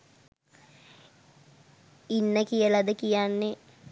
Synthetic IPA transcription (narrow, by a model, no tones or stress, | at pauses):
inːəkijəlɐd̪əkijanːe